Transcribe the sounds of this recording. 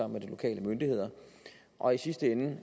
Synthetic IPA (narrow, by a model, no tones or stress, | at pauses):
ɑ̈m̰med̥ilo̝kʰɛ̰ːlʔəmønd̥ihe̝ð̞̰ˠɐ | ʔɒ̽isisd̥əen